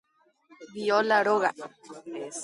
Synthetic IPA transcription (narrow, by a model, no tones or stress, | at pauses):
βiolaɾoɣa